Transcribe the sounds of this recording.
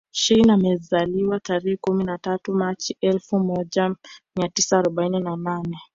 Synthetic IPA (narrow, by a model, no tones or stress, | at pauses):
ʃinamɛzaliwataɾɛhɛkuminatatumat͡ʃiʔɛlfumɔʄamiatisaːɾɔɓaininananɛ